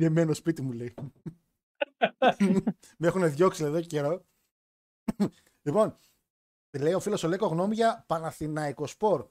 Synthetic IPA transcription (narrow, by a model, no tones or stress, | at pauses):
emenospit̪imulei | me̞xune̞ðʝo̞ksileðoceceɾo | lipo̞n | ile̞io̞filo̞solekoɣno̞muʝɐpɐnɐθinɐiko̞spo̞ɾ